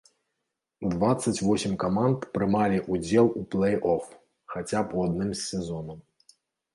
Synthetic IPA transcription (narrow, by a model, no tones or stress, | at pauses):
d̪vat̪sːɐt͡sʲvɔsʲɪmʲkamant̪pɾɨmalʲiʔud͡zʲɛlˠuplˠɛjʔɔf | xat͡sʲapuad̪̚nɨmsʲɛzɔnɐm